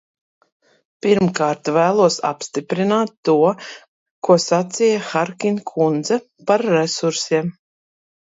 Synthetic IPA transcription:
piɾmkaːɾt̪væːlˠuɔsa̰pst̪ipɾinaːt̪ːuɔ | kuɔsat̪siːjaxaɾkʲinkʰund̪zɛ | paɾːesuɾsiɛm

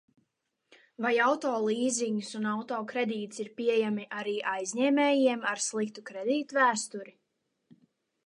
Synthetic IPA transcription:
vajawt̪ɔːlˠiːziɲusunawt̪ɔːkɾed̪iːt̪siɾpʲiɛjamiʔaɾiːʔajzʲɲɛːmɛːjiɛmaɾslˠikt̪ukɾed̪iːt̪uvæːst̪uɾi

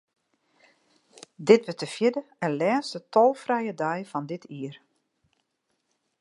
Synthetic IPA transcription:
dɪtbətəfjɪdəənlɛːstətʰɔlˠfrɛjədɛjfɔndɪtʰiər

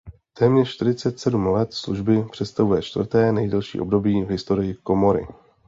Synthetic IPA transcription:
t̪ɛːmɲɛrʃt̪ɪɾɪtt͡sɛt̪sɛdumlɛt̪sluʒbɪpr̝̥ɛt̪st̪avujɛt͡ʃt̪v̰r̩t̪ɛːnɛjdɛlʃḭːʔo̞b̚do̞biːvɦɪst̪o̞ɾɪjɪko̞mo̞ɾɪ̰

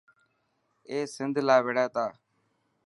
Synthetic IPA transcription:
eːsɪnd̪ʱlaːʋeɽaːt̪aː

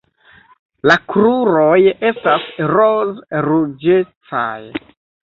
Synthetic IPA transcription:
lakɾuɾo̞je̞stasɾozɾud͡ʒet͡sa̰j

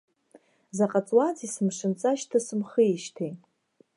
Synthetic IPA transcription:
zaqʼat͡sʼwad͡zisɨmʂɨnt͡sʼaʃtʰasɨmχəiʃtʰe

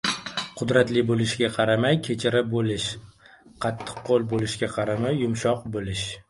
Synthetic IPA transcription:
qʰʊd̪ɾat̪lɪbolɪʃɡʲaqʰɑɾamajkʲʰet͡ʃʰɪɾabolɪʃ | qʰɑt̪ʰːɨ̥qːolˠbolɪʃɡʲaqʰɑɾamajːʊmʃɒqbolɪʃ

